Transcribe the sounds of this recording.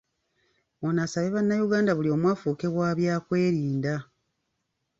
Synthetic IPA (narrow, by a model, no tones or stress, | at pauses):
onasaβe̞βanːajuɡaːndaβulio̞mwaːfuːke̞βwaːβjaːkwe̞ːɾiːnda